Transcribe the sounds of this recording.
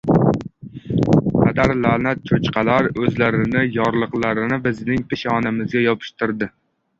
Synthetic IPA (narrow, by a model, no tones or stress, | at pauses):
qʰad̪aɾlanat̪̚t͡ʃʰot͡ʃqʰɑlaɾɵzlaɾɪnɪjɒɾlˠɨqlˠaɾɪnɪbɪznɪŋpʰɪʃɒnamɪzɡʲajɒpʰɪ̥ʃt̪ʰɪɾd̪ɪ